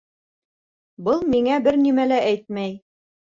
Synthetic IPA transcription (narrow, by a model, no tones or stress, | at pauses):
bɤlˠmiŋæbɘɾnimælæʔæjt̪̚mæj